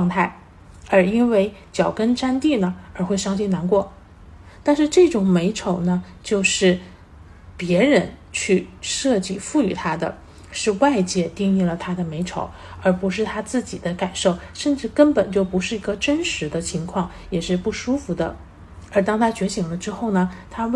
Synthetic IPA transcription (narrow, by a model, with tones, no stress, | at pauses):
ŋt̪ʰa˥˩ɪ | ə˞˧˥i˥nwe˥˩ɪt͡ɕjɑ˨˩ʊkə˥nʈ͡ʂa˥nt̪i˥˩nə˩ə˞˧˥xwe˥˩ɪɕjɑ˥ŋɕi˥˩na˧˥nkwɔ˥˩ | t̪a˥˧nʂɻ̩˥˧ʈ͡ʂɤ˥˩ʈ͡ʂʊ˨˩ŋme˧˥ɪʈ͡ʂʰo˨˩ʊnə˦ | t͡ɕjo˥˧ʊʂɻ̩˥˩ | pjɛ˧˥ɻə˧˥nt͡ɕʰy˥˧ʂɤ˥˧t͡ɕi˥˩fu˥˩y˨˩t̪ʰa˥d̪ə̰˨ | ʂɻ̩˥˧wa˥˧ɪt͡ɕjɛ˥˧t̪i˥˧ŋi˥˩lə˩t̪ʰa˥d̪ə˨me˧˥ɪʈ͡ʂʰo̰˧˥˦ʊ | ə˞˧˥pu˧˥ʂɻ̩˥˩t̪ʰa˥t͡sɹ̩˥˩t͡ɕi˨˩d̪ə˦ka˨˩nʂo˥˩ʊʂə˥˧nʈ͡ʂɻ̩˥˩kə˥npə˨˩nt͡ɕjo˥˩ʊpu˧˥ʂɻ̩˥˩i˧˥ɡə˧ʈ͡ʂə˥nʂɻ̩˧˥d̪ə˧t͡ɕʰi˧˥ŋkʰwɑ˥˩ŋ | jɛ˨˩ʂɻ̩˥˧pu˥˩ʂu˥fu˧˥d̪ə̰˧ | ə˞˧˥t̪ɑ˥ŋt̪ʰa˥t͡ɕɥɛ˧˥ɕi˨˩ŋlə˦ʈ͡ʂɻ̩˥xo˥˩ʊnə˩t̪ʰa˥